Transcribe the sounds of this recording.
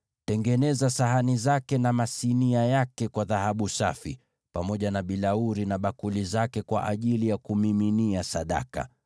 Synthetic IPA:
tɛŋɡɛnɛzasaɦanizakɛnamasiniajakɛkwaðahaɓusa̰fḭ | pamɔʄanaɓilauɾinaɓakulizakɛkwa̰ʔaʄilijakumiminiasaɗa̰ka̰

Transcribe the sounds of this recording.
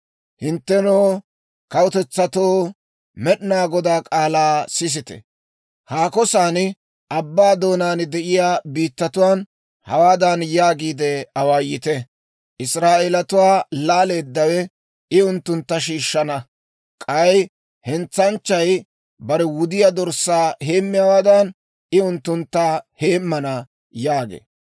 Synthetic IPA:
hɪnt̪ːɛnoː | kɐwʊt̪ɛt͡sːɐt̪oː | mɛɗɪnaːɡɔd̪aːkʼaːlaːsɪs̬ɪt̪ɛ̰ | haːkɔsaːnɪ | ʔɐbːaːd̪o̞ːnaːnd̪ɛʔɪjaːbiːt̪ːɐt̪ʊwaːn | hɐ̰waːd̪anjaːɡiːd̪ɛɐwaːjɪt̪ɛ | ʔɪsɾaːʔeːlɐt̪ʊwaːlaːleːd̪ːɐwɛ | ɪʊnt̪ːʊnt̪ːɐʃiːʃːɐnɐ | kʼɐj | hɛnt͡sːɐnt͡ʃːɐj | bɐɾɛwʊd̪ɪjad̪ɔɾsːaːɦe̞ːmːɪjawaːd̪ɐn | ʔɪʊnt̪ːʊnt̪ːɐhe̞ːmːɐnɐ | jaːɡḛː

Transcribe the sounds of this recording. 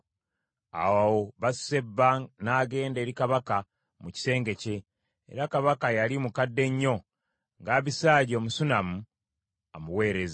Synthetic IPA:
a̰wawo̞βasse̞bːanaːɡe̞ːnde̞ːɾikaβaka | muci̥se̞ːŋɡe̞ce̞̰ː | ɾakaβakajalimukadːe̞ɲːo̞ | ŋɡaːβisaːɟo̞ːmusunamu | amuwe̞ːɾe̞za

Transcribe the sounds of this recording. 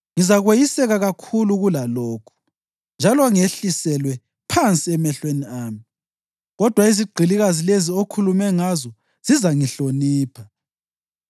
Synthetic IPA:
ŋizaɣwejisɛɣaɣakʰuluɣulaloːkʰu̥ | nd͡ʒʱalɔŋeɬisɛlwɛ | pʰant͡sʼiɛmɛɬweniaːmi | ɣɔd̥ʱwaiziɡ͡ǃʱiliɣazileziokʰulumɛŋazɔ | z̥izaŋiɬoniːpʰa

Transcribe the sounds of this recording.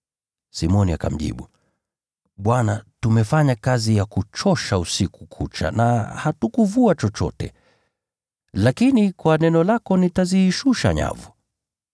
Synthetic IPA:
simɔniaka̰m̩ʄḭɓu | ɓwanatumɛfaɲakazijakut͡ʃɔʃausikukʰut͡ʃa̰na̰hatukuvuat͡ʃɔt͡ʃɔ̰tɛ̰ | lakinikwanɛnɔlakɔnitaziːʃuʃa̰ɲa̰vu

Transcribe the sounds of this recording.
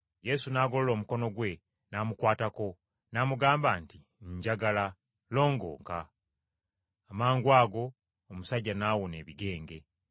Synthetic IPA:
je̞sunaːɡo̞lolo̞ːmuko̞no̞ɡwe̞ | naːmukwaːtako̞ | naːmuɡaːmbaːnti | ɲɟaɡala | lo̞ːŋɡo̞̰ːŋka | maːŋɡwaːɡo̞ː | musaɟːanaːwone̞ːβiɡe̞ːŋɡe̞

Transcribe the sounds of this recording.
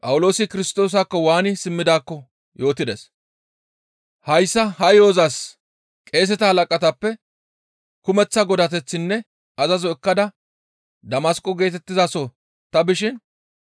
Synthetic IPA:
pʼɐwʊlo̞ːsɪkɪɾɪst̪o̞ːs̬akːɔwaːnɪsɪmːɪd̪aːkːɔ | jo̞ːt̪ɪd̪es | hɐjsːɐɦɐjo̞ːzɐs | kʼe̞ːs̬ɛt̪ɐhɐlɐkʼɐt̪ɐpːɛ | kʊmɛt͡sːɐɡɔd̪ɐt̪ɛt͡sːɪnːɛ | ɐzɐzɔɛkːɐd̪ɐ | d̪ɐmɐskʼɔɡe̞ːt̪ɛt̪ːɪzasɔ | t̪ɐbɪʃɪn

